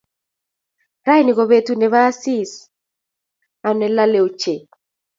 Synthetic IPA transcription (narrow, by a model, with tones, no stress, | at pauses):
ra˦jni˨ɡo˨βe˨tu˨ne˨βa˦si˦s | a˨nɛ˨la˦le˨o˨t͡ʃe˨